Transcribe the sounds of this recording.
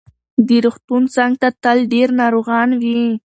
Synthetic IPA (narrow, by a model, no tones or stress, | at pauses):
d̪əɾuxt̪unt͡sɑŋɡt̪at̪əlɖeɾnɑɾoɣɑnwi